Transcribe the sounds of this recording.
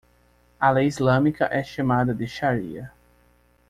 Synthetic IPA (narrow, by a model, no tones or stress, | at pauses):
alejizlɐ̃mikɐʔɛʃamad̪ɐd̪ɪʃaɾḭɐ